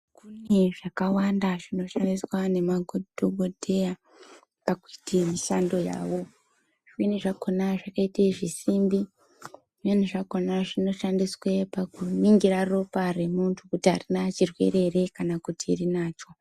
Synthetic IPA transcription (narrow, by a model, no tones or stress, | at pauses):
kune̞ʐakawandaʐino̞ʃandiswane̞maɡʱodʱoɡʱodʱe̞ja | pakuitimiʃando̞ja̰ːʋo̞ | ʐwiniʐakonaʐakaitaʐisimbi | ʐen̤uʐako̞naʐino̞ʃandiswepakuniŋɡiraro̞pare̞muntʰukutiɦarinat͡ʃirwe̞̰re̞re̞kanakutiːrinaːt͡ʃo̞